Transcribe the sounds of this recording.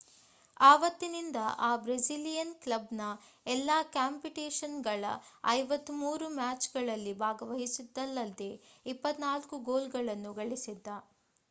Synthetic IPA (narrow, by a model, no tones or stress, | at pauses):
aːʋɐt̪ːinind̪ɐʔaːbɾed͡ʒilijɐnklɐbnɐɛlːaːkaːmpiʈeːʃɐnɡɐɭɐ̰ɐ̰jʋɐt̪ːumuːɾumaːt͡ʃɡɐɭɐlːibʱaːɡɐʋɐɦisid̪ːɐlːɐld̪eipːɐt̪naːlkuɡoːlɡɐɭɐnːuɡɐɭisid̪ːɐ